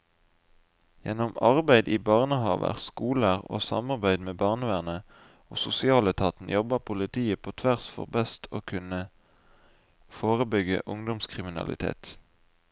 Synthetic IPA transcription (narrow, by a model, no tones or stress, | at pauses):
jɛ̰nɔmɑʁbæɪd̪iːbɑʁnəhɑ̰ːʋə̰ʁskuːləæʁo̰ːsɑ̰mɑʁbæɪd̪meːbɑʁnəʋæːʁnə | o̰ːsʊsɪɑːlət̪ʰɑːt̪n̩jɔbəʁpʰʊlɪt̪ʰiːəpʰoːt̪ʰʋæʁsfɔ̰ʁbɛst̪ʰo̰ːkʰʉnə | foːʁəbʏɡə̰ʔʊŋd̪ɔmskʰʁɪmɪnɑ̰lɪ̰t̪ʰḛːt̪